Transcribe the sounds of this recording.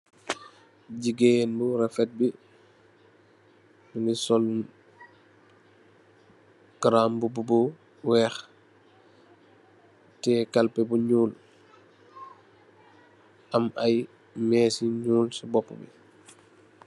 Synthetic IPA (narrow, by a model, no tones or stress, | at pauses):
ɟiɡenbuɾɛfɛt̚bi | nisɔl | ɡɾaːmbububu | wɛːx | tɛkalpɛbuɲuːl | ʔɐmʔaj | mɛːsiɲuːlsubɔpːṵbḭ